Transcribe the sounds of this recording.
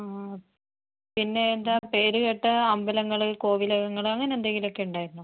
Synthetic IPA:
a | pinːe̞ːnd̪aːpe̞ːɾɨɣeʈːɨɐmbɐlɐŋːɐɭɨko̞ːʋilɐɣɐŋːɐɭɐŋːɐneːnd̪aːŋiilo̞kːe̞uɳɖaːjiɾunːu

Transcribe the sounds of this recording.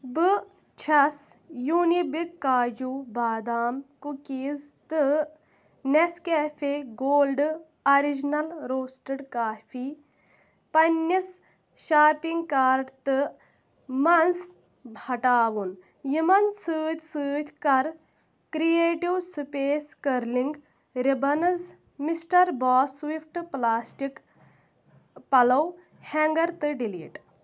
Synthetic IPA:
bɨ | t͡ʃʰɐsjuːnibikːaːd͡ʒuːbaːd̪aːmkukiːzt̪ɨ | neskeːfʰeɡoːlɖ | ɐɾid͡ʒnɐlɾoːsʈɐɽkaːfʰiː | pɐnːis | ʃaːpiŋɡkaːɾɖt̪ɨ | mɐns | bhɐʈaːwun | jimɐnsɨːt̪ʲsɨːt̪ʰʲkɐɾ | kɾieːʈiwsupeːskɐɾliŋɡ | ɾibɐnɐs | misʈɐɾbaːswipʰʈplaːsʈik | pɐlɐw | hɛŋɡɐɾt̪ɨɖilḭːʈ

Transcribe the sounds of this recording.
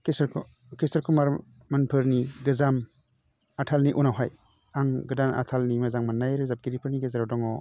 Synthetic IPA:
kesɾ | kisaɾkumaɾ | manpʰɯɾniɡɯzam | atʰalniʔunawɦaj | aŋɡɯdana̰tʰalnimazaŋmanːajɾɯzap̚ɡiɾipʰɯɾniɡezaɾawdɔŋɔ

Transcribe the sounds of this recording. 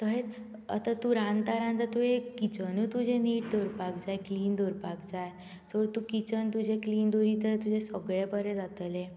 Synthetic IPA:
t̪əɦe | ə̰t̪at̪uɾãnt̪aɾãnt̪at̪uekit͡ɕənut̪ud͡ʑẽniːʈ̚d̪oɾpakd͡zajkliːnd̪oɾpakd͡zaj | soɾt̪ukit͡ɕənt̪ud͡ʑẽkliːnd̪oɾit̪əɦet̪ud͡ʑesəɡɭepəɾẽd͡zat̪əlẽ

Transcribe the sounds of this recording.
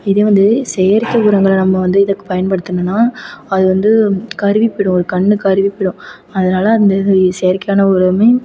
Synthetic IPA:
ɪðeːʋɐnd̪ɯsɛjɐɾkːɐʊɾɐŋɡɐɭɐnɐmːɐʋɐnd̪ɯɪðɐkːɯ̥pɐjɐnpɐɽɯt̪ːɯnɐnːaːɐðɯʋɐnd̪ɯkɐɾɯʋipːɪɽʊ̃ɔɾɯkɐɳːɯkɐɾɯʋipːɪɽʊ̃ | ɐðɐnaːlɐːnd̪ɐsejɐɾkɐjaːnɐʊɾɐmeː

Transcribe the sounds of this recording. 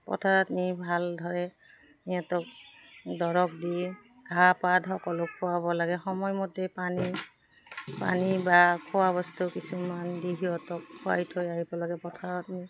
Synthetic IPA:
pɔ̰tʰaɹɔtnibʱaldʱɔɹɛ | nijatɔk̚ | dɔɹɔk̚di | ɡʱapadʱɦɔkɔlɔkʰːʊwabɔlaɡɛxɔmɔjmɔtɛpani | pa̰nibakʰʊwabɔstukisumandiɦiɔtɔkkʰːʊa̰jtʰojaɦibɔlɔɡɛpɔtʰaɹɔtni

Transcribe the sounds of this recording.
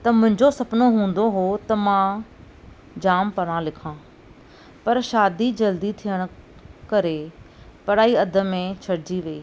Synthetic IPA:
t̪ɐmʊ̃ɦɪ̃ɲd͡ʑosɐpnoɦũːn̆d̪oɦot̪ɐmã | d͡ʑaːmpɐɽ̃ãlɪkʰãː | pɐɾʃaːd̪id͡ʑɐld̪it̪ʰijəɽ̃̆ | kɐɾe | pɐɽaːiɐd̪ʱə̆mẽt͡ɕʰɐɽd͡ʑiʋeː

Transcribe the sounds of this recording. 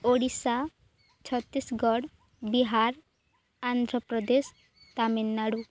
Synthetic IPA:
oɽisa | t͡ʃʰɔt̪ːisɡɔɽ | biɦaɾ | and̪ʱɾɔpɾɔd̪es | t̪aminːaɽu

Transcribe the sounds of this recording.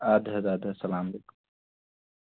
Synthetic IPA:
ad̪ɦɐd̪aːd̪ɐsɐlaːmleːkʊm

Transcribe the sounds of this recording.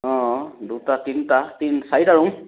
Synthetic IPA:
ɔ̃dutatintatinsajtaɹuŋ

